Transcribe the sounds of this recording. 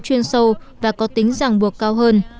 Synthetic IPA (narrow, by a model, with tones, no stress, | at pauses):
t͡ɕwi˧ənsə˧wvaː˨˩kɔ˨˦t̪ï˨˦ŋ̟za˨˩ŋɓu˨˩ək̚kaː˧wɦəː˧n